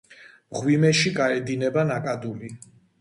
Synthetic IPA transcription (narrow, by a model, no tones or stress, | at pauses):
mʁwimɛʃiɡaɛd̪inɛbanakʼad̪uli